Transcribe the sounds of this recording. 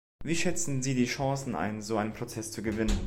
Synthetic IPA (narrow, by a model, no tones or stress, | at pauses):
viːʃɛt͡sn̩ziːdiːʃɑ̃ːsn̩ʔa̰ɪnzoːʔaɪnənpʁ̥ot͡sɛst͡suɡəvɪnən